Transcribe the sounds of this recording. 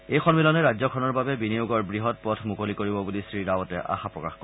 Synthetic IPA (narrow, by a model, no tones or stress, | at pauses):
ejxɔnmilɔnɛɹazɔkʰɔnɔɹbabɛbinijuɡɔɹbɹiɦɔt̚pɔtʰmukolikoɹibɔbulisɹiɹawɔtɛ̰ʔa̰xapɹɔka̰xkɔ